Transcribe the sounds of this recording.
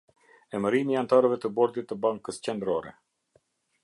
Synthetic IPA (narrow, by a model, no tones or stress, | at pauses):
ɛməɾimiant̪aɾəvɛt̪əbɔɾd̪it̪ːəbaŋkəst͡ɕɛnd̪ɾɔɾɛ̰